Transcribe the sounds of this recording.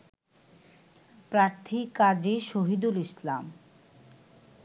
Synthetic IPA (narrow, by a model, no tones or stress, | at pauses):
pɾaɾt̪ʰikad͡ʑeʃoɦid̪ulislam